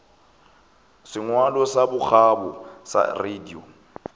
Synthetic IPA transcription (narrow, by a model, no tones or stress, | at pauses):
sɪŋwalɔsabʊxabɔsa̰redio